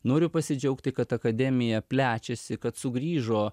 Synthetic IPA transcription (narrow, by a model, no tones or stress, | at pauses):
noːɾʲʊpɐsʲɪd͡ʒʲɛʊkt̪ʲɪkɐt̪ɐkɐd̪ʲɛːmʲɪjɛpʲlʲæːt͡ʃʲɛsʲɪkɐt̪sʊɡɾʲiːʒoː